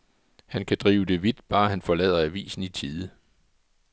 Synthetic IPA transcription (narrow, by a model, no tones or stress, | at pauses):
hænkʰæd̥ʁḭːʊd̥e̝ʋid̥b̥ɑ̈ːhænfɒ̽lɛ̰ð̰ˠɐæʋḭːsn̩it͡sʰiːðˠə